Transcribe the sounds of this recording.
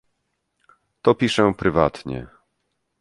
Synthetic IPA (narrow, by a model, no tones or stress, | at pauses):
t̪ɔpʲiʂɛpɾɘvat̪ɲɛ̰